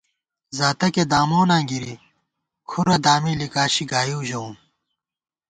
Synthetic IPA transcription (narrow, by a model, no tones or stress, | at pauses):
zaːt̪ɐked̪aːmoːnãːɡiɾi | kʰuɾɐd̪aːmiːlikaːɕiɡaːjuːʑɐum